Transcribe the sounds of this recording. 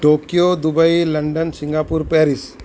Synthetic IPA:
ʈoːkijod̪ubəilɐɳɖənsiŋɡaːpuɾpɛːɾis

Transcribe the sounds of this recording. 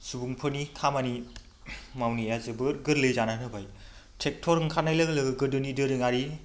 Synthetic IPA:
subuŋpʰɯnikʰamani | mawnijazɯbɯɾɡɯɾlɯjzananɯbaj | tʰek̚tʰoɾɯŋkʰanajlɯɡlɯɡɯɡɯɾdɯnidɯɾɯŋaɾi

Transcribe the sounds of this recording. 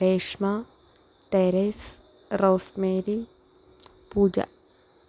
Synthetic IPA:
eːʃma | t̪eːɾes | ɾoːst̪meːɾi | puːd͡ʒa̰

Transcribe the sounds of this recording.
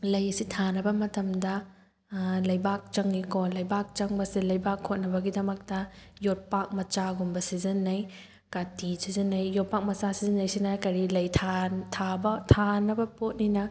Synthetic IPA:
lɐjɐsitʰanɐbɐmɐtɐmdɐ | lɐjbak̚t͡ʃɐŋːikolɐjbak̚t͡ʃɐŋbɐsilɐjbakʰːot̚nɐbɐɡidɐmɐk̚tɐjot̚pak̚mɐt͡ʃaɡumbɐsizɐnːɐj | katisizɐnːɐjːot̚pak̚mɐt͡ʃasizɐnːɐjsinakɐɾilɐjtʰatʰabɐtʰanɐbɐpot̚ninɐ

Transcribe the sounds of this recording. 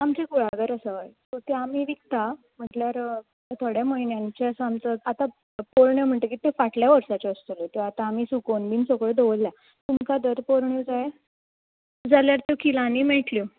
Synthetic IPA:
amt͡ɕekuɭ̤aɡəɾəsəəjt̪ot̪eamiːʋik̚t̪a | m̤əʈljaɾ | t̪ʰoɽjaməinjant͡ɕeəsəamt͡səat̪a | poɾɳjem̤əɳʈ̪ekit̪efaʈljaʋəɾʂat͡ɕeəst̪olot̪eat̪aːmiːsukonbiːnsokɭed̪oʋlːja | t̪umkad̪əɾpoɾɳjod͡zaje | d͡zaljaɾt̪okilaniːmeʈli

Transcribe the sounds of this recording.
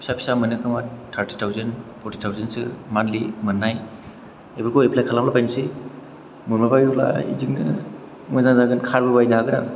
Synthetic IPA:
pʰi̥sapʰi̥samɯnɯkʰɯmatʰaɾti̥tʰawzenpʰɔɾti̥tʰawzensɯ̰manlimɯnːaj | ebɯlkʰoepʰlajkʰalamlapajnsi | muɾmapajula̰ḭziŋnɯ̰ | mazaŋzaɡɯnkʰaɾbɯbajnaɦaɡɯna̰ŋ

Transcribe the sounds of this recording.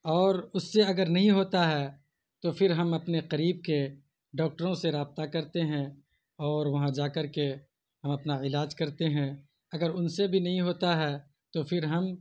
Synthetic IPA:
ɔːɾʊsːeɐɡəɾnɐɦĩɦoːt̪aɦɛː | t̪ofɪɾɦɐmɐpneqɐɾiːb̚ke | ɖɔːk̚ʈəɾõseɾaːb̚t̪akɐɾt̪eɦɛ̃ | ɔːɾʋɐɦãd͡ʒaːkɐɾke | hɐmɐpnaɪlaːd͡ʒkɐɾt̪eɦɛ̃ | ɐɡəɾʊnsebʱinɐɦĩɦoːt̪aɦɛ | t̪ofɪɾɦɐm

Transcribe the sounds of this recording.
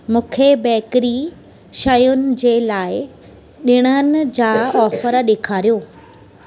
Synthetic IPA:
mũːkʰebɛːkɾi | ʃɐjʊnɪ̆d͡ʑeːlaːɪ | ɗɪɽ̃ənɪ̆d͡ʑaːɔːfəɾɗeːkʰaːɾijoː

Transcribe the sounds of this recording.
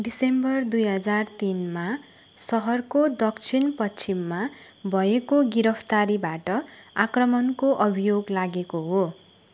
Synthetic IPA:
ɖisembʌrd̪ujɦʌd͡zart̪inma | sʌɦʌrkod̪ʌkt͡sʰinpʌt͡sʰimːa | bʱʌekoɡiɾʌpʰt̪aɾibaʈʌakrʌmʌnkoʔʌbʱijoɡlaɡekoɦo

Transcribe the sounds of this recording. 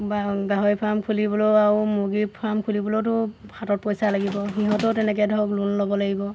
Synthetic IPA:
baɡaɦɔjpʰamkʰulibɔlɔaɹumuɡipʰamkʰulibɔlot̬ʊhʰatɔt̚pɔjsalaɡibɔɦiɦɔtɔtɛnɛk̬ɛdʱɔɔklunlɔbɔlaɡibɔ

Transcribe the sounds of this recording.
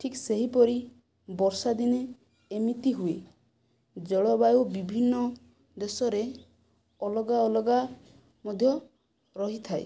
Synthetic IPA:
ʈʰikseɦipɔɾi | bɔɾsad̪ineː | mit̪iɦue | d͡ʒɔɭɔbajobibʱinːɔ | d̪esɔɾe | ɔlɔɡaɔlɔɡa | mɔd̪ʱjɔ | ɾɔɦit̪ʰae

